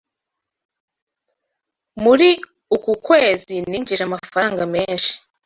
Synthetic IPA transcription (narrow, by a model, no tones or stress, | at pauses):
muɾi | ukukwe̞ːziniːɲɟiʃamafaaːŋɡameːnʃi̥